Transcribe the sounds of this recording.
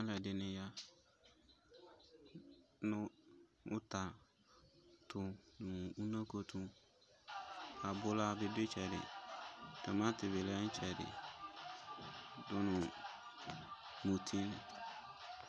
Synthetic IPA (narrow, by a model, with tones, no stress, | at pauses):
a˦lɛ˨dɪ˨nɪ̃˦ja˦ | nʊ̃˦ʊ˦ta˨ | tʰʊ˨˦nʊ̃˨u˦nã˦ko˨tʰũ˦ | a˨bʊ˦la˦bɪ˨dɪ˦t͡ʃɛ˨dɪ̰˨ | dɛ˨mã˦tɪ˨bɪ˨lɛ˦n̩˦t͡ʃʰɛ˨dɪ̰˨ | dʊ˦nʊ̃˨ | mu˨tʰi˦nɪ˨